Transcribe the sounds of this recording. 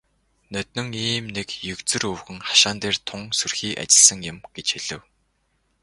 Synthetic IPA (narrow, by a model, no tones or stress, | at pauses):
nœt̪̚nɵ̆ŋiːmnekjɵkt͡sɵ̆rɵwxɘ̆ŋχḁʃaːnt̪eːrt̪ʰʊŋsɵrxiːʔa̰t͡ɕɪ̆ɮsə̆ŋjʊ̆mɡ̥et͡ɕxiɮɘ̆w